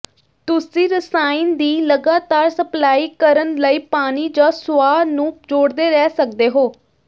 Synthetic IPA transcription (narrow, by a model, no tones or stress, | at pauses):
t̪ʊsĩːɾəsaːind̪iːləɡaːt̪aːɾsəplaːiːkəɾənləiːpaːniːd͡ʒãːsʊaːnũːd͡ʒoːɽd̪eːɾɛːsək̚d̪eːɦoː